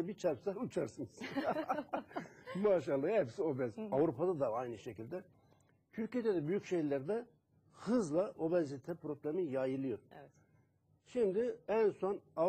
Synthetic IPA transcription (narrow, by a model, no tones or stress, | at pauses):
bit͡ʃʰaɾpsaut͡ʃʰaɾsɯnis | maːʃalˠːajhɛpsio̞bɛzavɾupʰad̪ad̪aajnɯʃecʰilʲd̪ɛ | t̪ʰyɾced̪ɛd̪ɛbyjycʃe̞jlʲæɾd̪ɛ | hɯzlˠaʔo̞bɛnzit̪ʰɛpʰɾo̞blʲemijaːjilʲˠijoɾ | ʃimd̪ɪɛnso̞na